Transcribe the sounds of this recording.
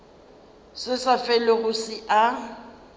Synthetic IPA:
sɪsafɛlɔɣʊsɪʔa

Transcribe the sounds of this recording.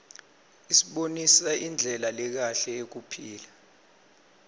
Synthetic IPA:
isiɓonisaʔind͡ɮʱɛlalɛk̬aɬɛek̬upʰiːla

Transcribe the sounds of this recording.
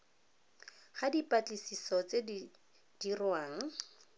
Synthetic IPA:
χadipʼat͡ɬisisɔt͡se | d̥irwaːŋ̩

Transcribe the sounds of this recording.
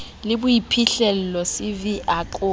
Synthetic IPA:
lɪbʊipʰiɬɛl̩lɔsɪviʔaǃʼʊ

